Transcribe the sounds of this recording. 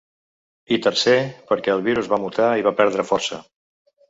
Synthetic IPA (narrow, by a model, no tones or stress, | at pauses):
it̪əɾsepəɾkɛəlˠβ̞iɾuzβamut̪aiβapɛɾð̞ɾəfɔɾsə̰